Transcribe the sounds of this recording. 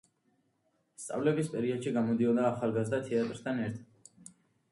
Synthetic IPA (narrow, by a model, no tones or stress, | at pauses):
st̪sʼa̰vlɛbispʼɛɾiɔd̪̥ʃiɡamɔd̪iɔd̪aːχalˠɡazd̪at̪ʰɛat̪ʼɾst̪ʰanɛɾt̪ʰad̪